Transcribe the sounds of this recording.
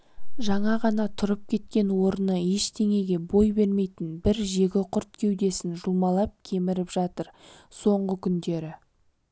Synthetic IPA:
ʒɑɴɑʁɑnɑt̪ʰʊɾəp̚kʲʰe̞t̪kʲe̞nwo̞ɾənəe̞ʃd̪e̞ŋe̞ɡʲe̞bo̞jbe̞ɾme̞jt̪ɪnbɪɾʒe̞ɡʲɪqʰʊɾt̪̚kʲʰe̞wd̪e̞sɪnʒʊlˠmɑlˠɑp̚kʲʰe̞mɪɾɪpʒ̥ɑt̪əɾso̞ɴʁəkʲʰʏnd̪e̞ɾɪ

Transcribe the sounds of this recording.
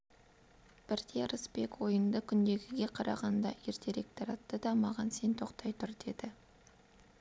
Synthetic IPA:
b̥ɪɾd̪e̞ɾəspekwo̞jənd̪əkʲʰʏnd̪e̞ɡʲɪɡʲe̞qʰɑɾʔɑ̰ʁɑnd̪ɑ̰eɾt̪ʰe̞ɾek̚t̪oɾɑt̪ːəd̪ɑmɑʁɑnse̞nt̪ʰo̞qt̪ɑjt̪ʰʊɾd̪e̞d̪ɪ

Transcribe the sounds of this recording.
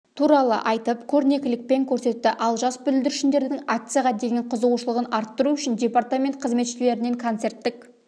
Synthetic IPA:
t̪ʰuɾɑlˠə̰ʔɑjt̪əpkʲʰɵɾne̞kʲɪlɪk̚pe̞ŋkʲʰɵɾse̞t̪ːɪʔɑlˠʒɑsbʏlɪld̪ɪɾɪʃɪnd̪e̞ɾd̪ɪŋak̚t̪sɨjaʁɑd̪e̞ɡʲe̞ɴqʰʊzəuʃəlˠəʁənɑɾt̪ːəɾuʏʃɪndʲe̞part̪amʲe̞nt̪̚qʰəzme̞t̪ʃɪle̞ɾɪne̞ŋkʰont̪se̞ɾt̪ːɪk

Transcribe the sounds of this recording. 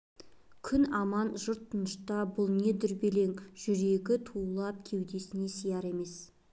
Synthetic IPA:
kʲʰʏnɑmɑnʒʊɾt̪ʰːʊnəʃt̪ɑbʊlˠne̞d̪ɪɾbele̞ŋʒ̥ʏɾe̞ɡʲɪt̪ʰulˠɑp̚kʲʰe̞wd̪e̞sɪne̞sijɑɾe̞me̞s

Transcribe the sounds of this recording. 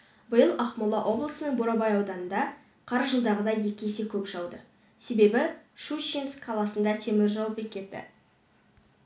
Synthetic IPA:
bəjəlˠɑχmulˠɑʔo̞blˠəsənəɴboɾɑbɑjɑwd̪ɑnənd̪ɑ | qʰɑɾʒəlˠd̪ɑʁəd̪ɑje̞kʲesekʲʰɵpʒɑwd̪ə | se̞be̞bɪʃuʃinskʰːɑlˠɑsənd̪ɑt̪ʰe̞mɪɾʒɑwəp̚bekʲʰe̞t̪ːɪ̰

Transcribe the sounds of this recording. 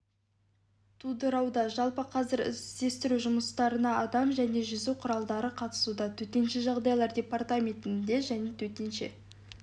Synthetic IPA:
t̪ʰud̪əɾɑwd̪ɑʒɑlˠpəqʰɑzɪɾɪ̰zd̪e̞st̪ɪɾuʒʊməst̪ɑɾənɑɑd̪ɑmʒæne̞ʒʏzuwqʰʊɾɑlˠd̪ɑɾəqʰɑt̪ə̥sud̪ɑt̪ʰɵt̪e̞nʃeʒɑʁd̪ɑjlˠɑɾdʲe̞part̪amʲe̞nt̪ɪnd̪e̞ʒæne̞t̪ʰɵt̪enʃe̞̰

